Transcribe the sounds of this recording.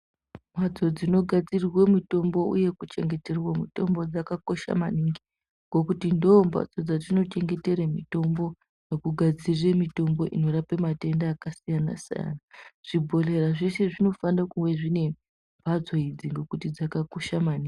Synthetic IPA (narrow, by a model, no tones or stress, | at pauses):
m̤wad͡zo̞d͡zino̞ɡʱad͡zirwemito̞mbo̞ṵje̞kut͡ʃe̞ŋɡe̞te̞rwamito̞mbo̞d͡zakako̞ʃa̰maniŋɡi | ŋɡo̞kutindoːmbwa̰d͡zod͡zatino̞t͡ʃe̞ŋɡe̞te̞ɾemito̞mbo̞ | nokuɡʱad͡ziremito̞mbo̞ʔino̞rapemate̞ndaːkasijana̰sḭja̰naʐ̥ibʱo̞le̞raʐe̞ʃeʐino̞fandakuweʐine̞mi | mbʱad͡zo̞id͡ziŋɡo̞kutid͡zakako̞ʃamaniːŋɡɡi